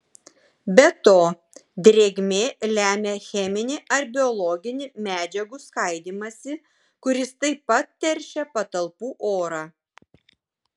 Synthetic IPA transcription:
bʲɛt̪oː | d̪ʲɾʲeːɡʲmʲeːlʲæːmʲexʲɛmʲɪnʲɪʔɐɾbʲɪɔlˠɔɡʲɪnʲɪmʲæːd͡ʒʲɛɡuskɐɪd̪ʲiːmɐsʲɪ | kʊɾʲɪst̪ɐɪpːɐt̪̚t̪ʲɛɾʲʃʲɛpɐt̪ɐlˠpuːʔoːɾɑː

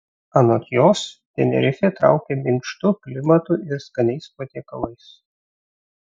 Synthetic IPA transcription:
ɐnot̪ʲjoːst̪ʲɛnʲɛ̰ɾʲɪfʲeːt̪ɾɑ̰ˑʊkʲeːmʲɪnʲʃt̪ʊklʲɪmɐt̪uʔɪɾskɐnʲɛɪspot̪ʲeːkɐ̰lˠɐɪs

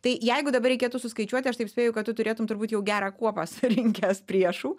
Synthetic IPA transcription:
t̪ɐɪjɛɪɡʊd̪ɐbɐrʲɾʲɛɪkʲeːt̪ʊsʊskɐɪt͡ʃʲuɔt̪ʲɪɐʃt̪ɐɪpsʲpʲeːjʊkɐt̪t̪ːʊt̪ʊɾʲeːt̪ʊmt̪ʊɾbuːt̪jɛʊɡʲæːɾɑːkuɔpɑsɾʲɪŋʲkʲɛspʲɾʲiɛʃuː

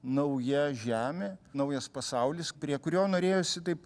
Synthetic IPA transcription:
nɐʊjɛʒʲæːmʲeːnɐʊjɐspɐsɐʊlʲɪspʲɾʲiɛkʊɾʲoːnoːɾʲeːjosʲɪt̪ɐɪp

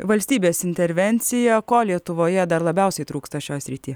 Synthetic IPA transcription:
ʋɐlʲsʲt̪ʲiːbʲeːsɪnʲt̪ʲɛɾʲʋʲɛnʲt̪sʲɪjɛkoːlʲiɛt̪ʊʋoːjɛd̪ɐɾlˠɐbʲɛˑʊsʲɛɪt̪ɾuːkst̪ɐʃʲoːjɛsʲɾʲɪt̪ʲiː

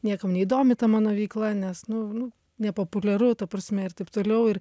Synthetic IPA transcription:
nʲiɛkɐmnʲɛid̪oːmʲɪt̪ɐmɑːnoːʋʲɛɪklˠɐnʲɛsnʊnʊ | nʲɛpoːpʊlʲɛɾʊt̪ɐpɾɐsʲmʲɛɪɾt̪ɐɪpt̪oːlʲɛʊɪr

